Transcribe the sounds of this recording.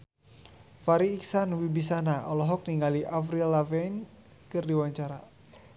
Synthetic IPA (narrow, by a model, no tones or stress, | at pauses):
faɾiːksanwibis̬anaʔɔlɔɦɔk̚niŋaliʔafɾilavɛn | kɨrdiwaɲt͡ʃaɾa